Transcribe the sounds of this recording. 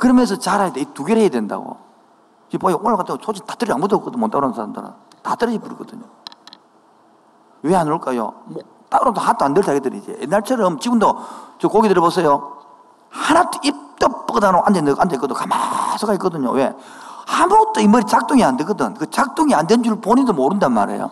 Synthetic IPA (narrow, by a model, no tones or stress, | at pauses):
kɯɾʌmjʌns̬ʰʌt͡ɕaɾajad̪eituɡeɾhejadwenda̰ɡo̰ | id͡ʑepoʔoɭmakatʰɯŋɡosʰod͡ʑʰitḁtɯɾiamudok͈ːɯdɯmont͈aɾoansʰaɾandɯ̰ɾa̰ | tatɯɾʌip͈ːuɾiɡʌdɯɲo | weanoɭk͈ajo̰mo | t͈aɾodohat͈oandeɭtʰaɡedɯɾid͡ʑḛjenːaɭt͡ɕʰʌɾʌmt͡ɕibundot͡ɕokoɡitɯɾʌbosʰejo | hanat͈ʰoip̚t͈ʌpp͈ɯdanoʔandendʔandek͈ʌdokamasʰɯɡaik͈ʌdɯɲo̰wehambot͈ːoimʌɾit͡ɕak̚t͈uŋiandeɡɯdɯnkɯt͡ɕak̚t͈uŋiandwend͡ʑuɭpoɲidomoɾɯndanma̰ɾe̞̰jo̰